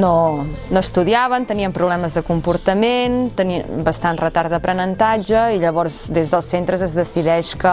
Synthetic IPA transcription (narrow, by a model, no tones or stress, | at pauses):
nonoəst̪uðiaβənt̪əniəmpɾuβlɛməzðəkumpuɾt̪əment̪əniəmbəst̪anrət̪aɾðəpɾənənt̪ad͡ʒəiʎəβɔɾzd̪ezðəlˠsent̪ɾəzəzðəsiðɛʃkə